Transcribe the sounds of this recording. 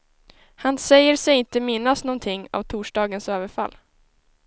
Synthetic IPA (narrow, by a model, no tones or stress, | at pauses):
hansɛjːəɾsɛjɪnt̪əmɪnːasnɔnt̪ʰɪŋːa̰vt̪ʰuːʂɖɑːɡənsøːvəɾfa̰lː